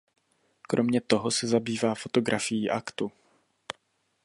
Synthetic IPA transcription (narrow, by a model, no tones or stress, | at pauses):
kɾʔo̞mɲɛt̪o̞ɦosɛzabiːvaːfo̞t̪o̞ɡɾʔafɪjiːʔakt̪u